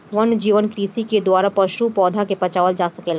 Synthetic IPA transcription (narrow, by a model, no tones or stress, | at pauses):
ʋɐnd͡ʒiːʋənkɾiːsiked̪waːɾapɐʃupɔːd̪ʱakepɐt͡ʃaːʋəld͡ʒaːsɐkeːla